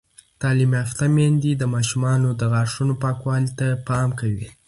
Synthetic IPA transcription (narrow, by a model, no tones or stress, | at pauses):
t̪ɑlimaft̪amend̪id̪əmɑʃumɑnod̪əɣaɾʂunopɑkwɑlt̪apɑmkawḭ